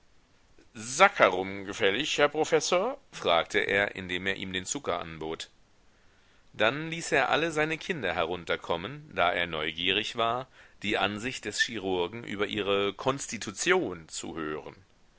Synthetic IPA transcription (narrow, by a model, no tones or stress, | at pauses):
zakʰaʁʊmɡəfɛlɪçhɛɐpʁ̥ofɛsoːɐfʁ̥aːk̚tʰəʔḛːɐʔɪ̰ndeːmeːɐʔiːmdeːnt͡sʊkɐʔa̰nboːt | d̥anliːseːɐʔa̰ləzaɪnəkʰɪndɐɦɛɐʁ̞ʊntɐkʰɔmənd̥aːʔḛːɐnɔʏɡiːʁ̞ɪçv̥aːɐd̥iːʔanzɪçt̚d̥ɛsʃiʁ̞ʊɐɡŋ̩ʔy̰ːbɐʔiːʁ̞əkʰɔnstitʰut͡sjoːnt͡sṵhøːʁən